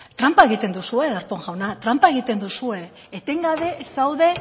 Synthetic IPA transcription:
t̪ɾampae̞ɣ̞it̪e̞nd̪usue̞ðaɾpo̞ŋʝawnat̪ɾampae̞ɣit̪e̞nd̪usue̞ː | t̪e̞ŋɡaβe̞sawðe̞

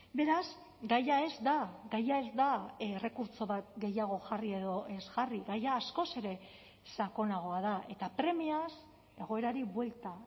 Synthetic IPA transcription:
be̞ɾaz | ɡajae̞zd̪aɡajae̞zd̪aere̞kuɾt͡so̞βat̪̚ɡe̞jaɣ̞o̞ʝarie̞ðo̞ʔe̞zɣariɣajaːsko̞se̞ɾe̞ | sako̞naɣ̞o̞aðaʔe̞t̪apɾe̞mias | e̞ɣ̞o̞e̞ɾaɾiβwe̞lt̪a

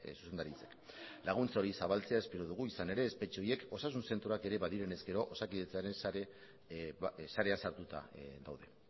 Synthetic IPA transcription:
su̥se̞nd̪aɾit͡se̞k | laɣ̞unt͡saoɾisaβalt͡se̞ae̞spe̞ɾoð̞uɣ̞uisane̞ɾe̞ːspe̞t͡ʃio̞je̞ko̞sas̬unse̞nt̪ɾoake̞ɾe̞βaðiɾe̞ne̞zke̞ɾo̞ʔosakiðet͡saɾe̞nse | saɾe̞ansaɾt̪ut̪a̰ða̰wðe̞

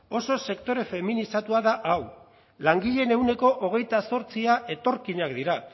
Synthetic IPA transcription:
o̞so̞se̞kt̪o̞ɾe̞fe̞minisat̪uaðaʔaw | laŋɡiʎe̞ne̞uwne̞koʔoɣ̞e̞jt̪aso̞ɾt͡siaʔe̞t̪o̞ɾkiɲakd̪iɾa

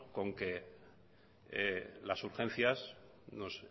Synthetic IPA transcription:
ko̞ŋke̞ | lasuɾxẽ̞n̟θjas | no̞s

